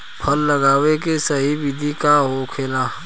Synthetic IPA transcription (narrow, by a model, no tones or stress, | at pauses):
pʰɐlːɐɡaːʋekesɐɦibid̪ʱikaɦokʰelaː